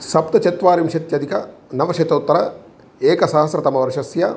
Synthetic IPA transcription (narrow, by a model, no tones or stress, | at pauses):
sɐp̚t̪ɐt͡ʃɐt̪ʋaːɾimʃɐt̪jɐd̪ʱikɐnɐʋɐʃɐt̪oːt̪ːɐɾɐ | eːkɐsaɦɐsɾɐt̪ɐmɐʋɐɾʂɐsjɐ